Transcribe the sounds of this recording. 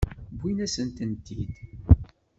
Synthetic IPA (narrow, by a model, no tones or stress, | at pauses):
bːinæsənt̪ənt̪id̪